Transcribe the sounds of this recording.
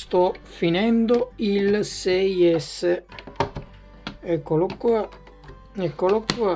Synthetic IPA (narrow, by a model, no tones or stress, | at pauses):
st̪ɔfinɛnd̪oilsɛjɛsːe | ekːolokːa | ekːolɔkːua